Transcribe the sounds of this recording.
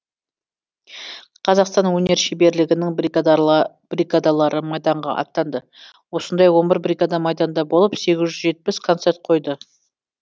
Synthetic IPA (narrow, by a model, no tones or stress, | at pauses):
qʰɑzɑqst̪ɑnwɵne̞ɾʃebe̞ɾlɪɡʲɪnɪŋb̪ | b̥riɡad̪ɑlˠɑɾəmɑjd̪ɑɴʁɑ̰ʔɑ̰t̪ːɑnd̪ə | wo̞sənd̪ɑjwo̞nbɪɾbrʲiɡad̪ɑmɑjd̪ɑnd̪ɑbo̞lˠəpse̞ɡʲɪzʒʏzʒe̞t̪̚pɪskʰo̞nt̪se̞rt̪̚qʰo̞jd̪ə